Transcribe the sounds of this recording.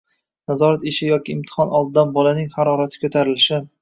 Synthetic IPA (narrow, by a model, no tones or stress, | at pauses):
nazɒɾat̪eʃɪjɒkʲɪːmt̪ʰɪ̥hɒnʔɒlˠd̪ɪd̪anbɒlanɪŋhaɾɒɾat̪ʰɪ̥kʰɵt̪ʰaɾɪlɪʃɪ